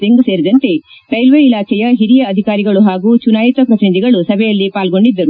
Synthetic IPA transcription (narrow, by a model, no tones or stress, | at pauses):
eŋɡuse̞ːɾid̪ɐnt̪e̞ | ʈɐjlʋeːilaːkɛjɐɦiɾijɐːd̪ʱikaːɾiɡɐɭuɦaːɡuːt͡ʃunaːjit̪ʋɐpɾɐt̪inid̪ʱiɡɐɭusɐbʱɛjɐlːipaːlɡo̞ɳɖid̪ːɐɾu